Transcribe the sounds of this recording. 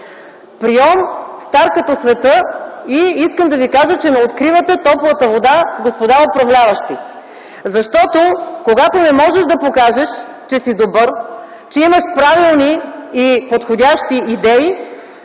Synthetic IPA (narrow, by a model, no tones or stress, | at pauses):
pɾiɔmst̪aɾkət̪osvɛt̪ɤiiskəmd̪ɐvikaʒət͡ʃɛnɐot̪kɾivət̪ɛt̪ɔpovət̪əvod̪aɡospod̪aɾopɾɐvlʲavɐʃt̪i | zɐʃt̪ɔt̪okoɡat̪onɛmɔʒɛʒd̪ɐpokaʒɛʃ | t͡ʃɛsid̪obɤɾ | t͡ʃɛiməʃpɾavilˠniː | pot̪xodʲaʃt̪iʔːd̪ɛi